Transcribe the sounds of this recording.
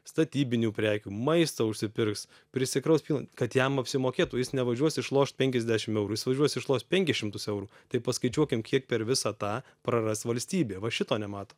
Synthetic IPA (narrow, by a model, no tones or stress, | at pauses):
st̪ɐt̪ʲiːbʲɪnʲuːpʲɾʲæːkʲuːmɐɪst̪oʊʃʲsʲɪpʲɪrks | pʲɾʲɪsʲɪkɾɐʊspʲiːlˠɐkɐt̪jɛmɐpʲsʲɪmoːkʲeːt̪uːjɪsnʲɛʋɐʒʲuɔsɪʃlˠoːʃt̪̚pʲɛŋʲkʲɛzʲd̪ʲæːʃʲɪmɛʊɾujɪsʋɐʒʲuɔsɪʃlˠoːst̪̚pʲɛŋʲkʲɪsʃʲɪmt̪ʊsɛʊɾuːt̪ɐɪpɐskɐɪt͡ʃʲuɔkʲɪmkʲʰiɛk̚pʲɛɾʋʲɪsɑt̪ɑː | pɾɐrɐsʋɐlʲsʲt̪ʲiːbʲeːʋɐʃʲɪt̪oːnʲɛmɑːt̪oː